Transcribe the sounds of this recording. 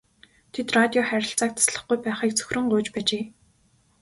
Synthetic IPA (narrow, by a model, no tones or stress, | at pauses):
t̪ʰet̪rat̪ʲiɔχæɾʲɪ̆ɬt͡saːk̚t̪ʰḁsɮə̆χɡujpæːχiːk̚t͡sʰɵ̥xʲrɵ̆ɴɢʊːt͡ɕpæːt͡ɕeː